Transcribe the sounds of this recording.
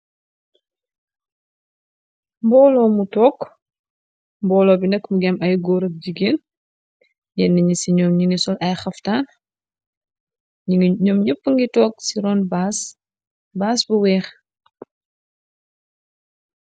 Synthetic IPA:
mbɔːlɔːmutɔːk | mbɔːlɔːbinɛkːmuɡɛmɐjɡɔːɾɐk̚ɟiɡeːn | jɛnːiɲisiɲɔːmɲinisɔlʔɐjxɐftaːn | ɲɔmɲəpːəŋɡitɔːk̚siɾɔːnbs | baːsbuwɛːx

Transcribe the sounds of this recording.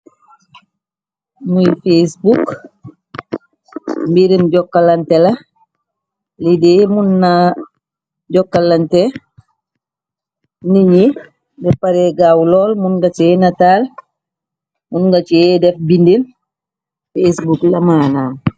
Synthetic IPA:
mujfesbuk | mbiɾinɟɔkːalantɛla | lidemunːa | ɟɔkːalːantɛ | niɲi | dɛpaɾɛɡawlɔːlmunɡat͡ʃɛnataːl | munɡat͡ʃiɛdɛfbindin | fesbuklamaːnaːm

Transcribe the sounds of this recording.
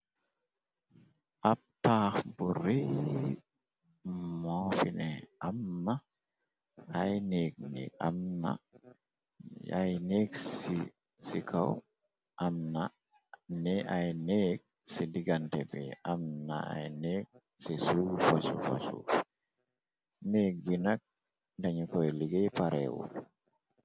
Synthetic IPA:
ʔapːaxburi | mɔfinɛʔamːa | hajnek̚nḭa̰mna̰ | a̰jneːksi | sikʰaw | ʔamna | nɛʔajneːk̚ | sidiɡantɛbɛ̰ʔamna̰a̰jnɛːk̚ | sisufasṵfa̰sṵ | nek̚ɡinak̚ | ndaɲikɔjɛliɡɛjpaɾɛ̰ːwɔ̰

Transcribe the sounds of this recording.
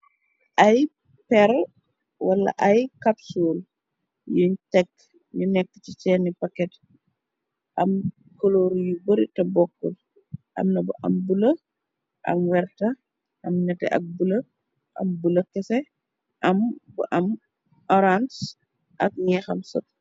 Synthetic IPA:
ʔɐj | pɛɾ | wɐlːɐ̰ʔɐjkapsuːl | juɲtɛkː | ɲunɛkːə̥t͡ʃit͡ʃɛnipɐkːɛt | ʔɐm | kɔloɾjubɔɾitɐbɔkːɔl | ʔɐ̰mnɐbuʔɐ̰mbulɐ | ʔɐ̰mwɛrtɐ | ʔɐmnɛtɛ̰ʔɐ̰k̚bulɐ | ʔɐ̰mbulɐkɛsɛ | ʔɐmbṵʔɐm | ʔɔɾans | ʔɐk̚ɲɛxɐmsɔ̰t̚

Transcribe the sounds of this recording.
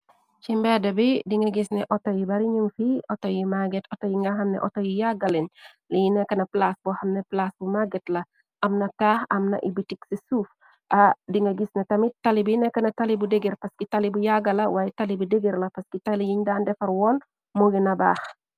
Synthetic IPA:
t͡ʃimbɛdɐbidiŋɡɐɡisnɛʔɔtojibɐɾiɲuŋfiʔotojimaɡɛtɔtojiŋɡaɦɐmnɛ̰ʔɔtojijaɡɐlin | lijinɛkɐnɐplasbuhɐmneplasbumaɡɛtlɐ | ʔɐmnɐtaxɐmnɐ̰ʔibitiksisuːf | ʔadiŋɡɐɡisnetɐmitalibjinɛkɐnɐtalibudeɡiɾpɐskitalibujaɡɐlɐwajitalibideɡiɾlɐpɐskitalijiɲdaːndɛfɐɾwɔːn | muɡinɐba̰ːx

